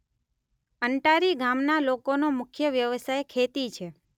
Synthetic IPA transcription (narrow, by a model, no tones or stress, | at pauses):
əɳʈaɾiɡʱamnalokonomʊkʰjəʋjəʋsajkʰet̪it͡ʃʰe